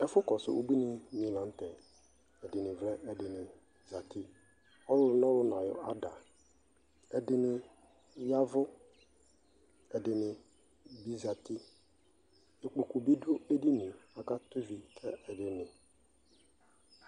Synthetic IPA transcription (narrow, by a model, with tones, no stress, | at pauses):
ɛ˦fʊ˦kɔ˨sʊ̰˦ʔo˦bi˦nɪ˨mĩ˨lã˨˦n̩˦t̪ɛ˨ | ɛ˨dɪ˨nɪ̃˨vlɛ˦ʔɛ˨dɪ˨nɪ̃˨ | za˨t̪ʰi˦ | ɔ˦lʊ˦nɔ̃˦lʊ˦nã˨jɔ̰˨a˦da˨ | ɛ˨dɪ˦nɪ˨ | ja˦vʊ˦ | ɛ˨dɪ˨nɪ˨ | bi˦za˨t̪ɪ˦ | e˨k͡po˨ku˨bi˦do˦e˦di˦nɪ̃˨a˨ka˦t̪u˦vi˨kʰɛ˦ɛ˨dɪ˨nɪ̃˨